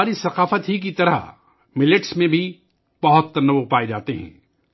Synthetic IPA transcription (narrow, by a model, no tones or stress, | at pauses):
aːɾisɐqaːfət̪ɦik̬it̪ɐɾə̰ɦ | mɪlɪʈsmẽbʱi | b̥ɐɦʊt̪ːɐnəʋpaːed͡ʒaːt̪eɦɛ̰̃ː